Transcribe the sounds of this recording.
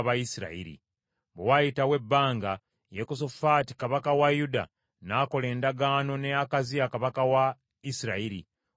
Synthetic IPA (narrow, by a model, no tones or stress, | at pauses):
βaisiɾa̰ḭɾḭ | βewajitawe̞bːaːŋɡa | jekosofaːti̥kaβakawajuda̰ | naːko̞le̞ːndaɡaːno̞nejakazijakaβakawa | isiɾa̰iɾi